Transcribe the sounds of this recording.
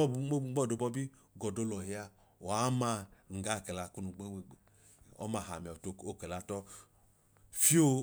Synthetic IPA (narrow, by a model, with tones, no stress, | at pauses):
ɡ͡bɔ˦˨do˨˧bɔ˦bi˦ | ɡɔ˨do˨˦lɔ˨ɦi˧˦a˧ | wa˨˦ma˧ŋ̩˨ɡa˦˨kɛ˨la˧ku˦nu˧ɡ͡be˦we˧˨ | ɔ̰˦ma˨ɦa̰˨m˨ɔ˨to˨kɛ˨la˧tɔ˦ | fi˦o˦˧